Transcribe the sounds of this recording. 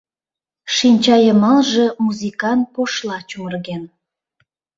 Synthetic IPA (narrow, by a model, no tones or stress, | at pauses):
ʃinʲt͡ɕɑjəmɑlʒĕmuzikɑn̚poʃlɑt͡ɕumərɣen